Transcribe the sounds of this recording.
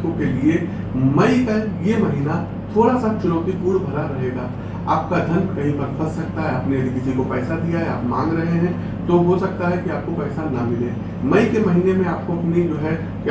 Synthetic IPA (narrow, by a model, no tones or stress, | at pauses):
õkelie | mɐikajemɐɦiːna | t̪ʰoːɽasat͡ʃʊnəʊt̪ipuːɽbʱɐlaɾɐɦeːɡaː | a̰ːp̚kad̪ʱɐnkɐɦĩbɐt̪bəssɐk̚t̪aɦɛɐpneɐd̪kɪd͡ʒikopɛːsad̪ijaɦɛaːpmã̰ːŋɡɾɐɦeɦɛ̃ | t̪oɦosɐk̚t̪aɦɛkiaːp̚kopɛːsanɐmɪleː | mɐikemɐɦiːnemẽaːp̚koɐpned͡ʒoːɦɛ | k